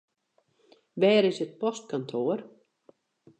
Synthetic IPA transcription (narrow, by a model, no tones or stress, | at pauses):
bɛːɾɪsɪt̪̚pʰɔst̪̚kʰɔnt̪ʰoːɾ